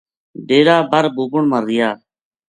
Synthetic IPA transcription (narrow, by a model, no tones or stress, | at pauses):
ɖeːɾaːbəɾbuːbʊɳməɾːɪjaː